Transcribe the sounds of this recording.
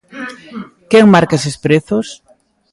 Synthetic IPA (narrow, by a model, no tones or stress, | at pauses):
kɛŋmaɾkaesespɾeθos